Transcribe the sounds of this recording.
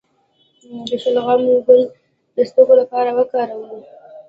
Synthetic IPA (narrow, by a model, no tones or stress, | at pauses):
d̪əʃəlɣamuɡəl | d̪əst̪əkolapɑɾawəkɑɾawəli